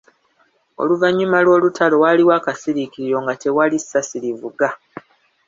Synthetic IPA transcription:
o̰luvaɲːumalwo̞ːlutʰalo̞waliwaːkasiɾikiɾiɾo̞ŋɡate̞walisasiɾivuɡa

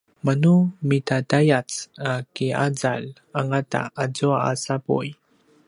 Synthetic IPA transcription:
manumitatajat͡sakiad͡zal | aŋata̰azuaasapṵj

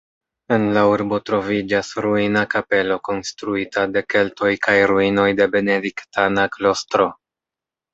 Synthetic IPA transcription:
e̞nlauɾbo̞tɾo̞vid͡ʒasɾuinakape̞lo̞ko̞nstɾuitade̞ke̞lto̞jkʰajɾuino̞jde̞be̞ne̞diktanaklo̞stɾo̞

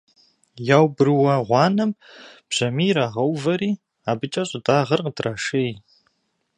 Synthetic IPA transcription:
jaːwbɨrwɐʁʷɑːnɐmb̥ʑ̥ɐmiːɾaːʁɐwvɐɾiː | aːbɨt͡ʃʼɐɕʼɪdʼaːʁɐrqətrʔaːʂej

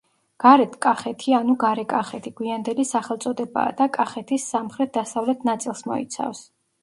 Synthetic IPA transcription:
ɡ̥aɾɛt̪ʰkʼaχɛt̪ʰianuɡaɾɛkʼaχɛt̪ʰiɡ̥wiand̪ɛlisaχɛlˠt̪sʼɔd̪ɛba̰ːd̪akʼaχɛt̪ʰisamχɾɛt̪̚ʰd̪asavlɛt̪ʰnat̪sʼilˠsmɔ̰ḭt̪sʰa̰fs

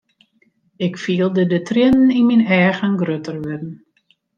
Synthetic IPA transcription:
ɪkfiːəlˠdədətrɪnn̩inminɛːɣənɡrøtərʋɪdn̩

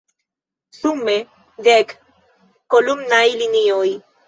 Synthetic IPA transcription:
sume | d̪ek | kolumnajlinioi

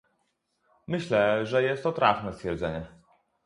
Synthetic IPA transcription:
mɘɕlɛʐɛjɛst̪ːɔt̪ɾafnɛst̪fʲjɛɾd̪zɛɲɛ

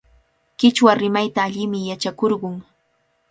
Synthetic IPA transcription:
kɪt͡ʃwaɾɪmajt̪aːʎɪmɪjat͡ʃakoɾɢʊŋ

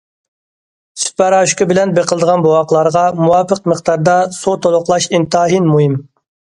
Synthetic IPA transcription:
sy̥t̪̚pɛɾɑːʃkʲɪbɪlɛnbeqəlˠd̪əʁɑnbowɑqlˠɑɾəʁɑmuwɑːpəq̚məχt̪ɑɾd̪ɑsot̪ʰolˠʊqlˠɑʃint̪ʰɑːɦinmuɦɪm

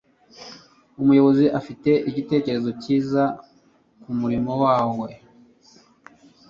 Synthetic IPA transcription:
umujo̞βo̞ziʔafite̞ʔiɟite̞ːce̞ɾe̞zo̞ciːza | kumuɾimo̞waːwe̞

